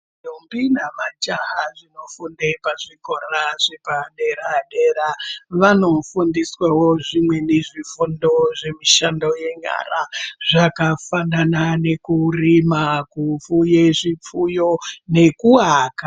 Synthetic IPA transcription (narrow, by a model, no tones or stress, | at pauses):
numbinamat͡ʃaɦaʐino̞fundepaʐiko̞raʐepaɗe̞ɾaɗeɾaʋano̞fundiswawo̞ʐimwe̞neʐifundo̞ʐe̞miʃando̞je̞ɲa̰raʐakafananane̞kurimakufujeʐip͡fujo̞ne̞kuaːka